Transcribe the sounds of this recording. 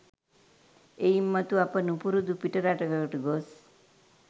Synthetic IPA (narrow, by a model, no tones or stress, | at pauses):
eimːət̪uapənũpuɾud̪upiʈəɾaʈəɡəʈɡos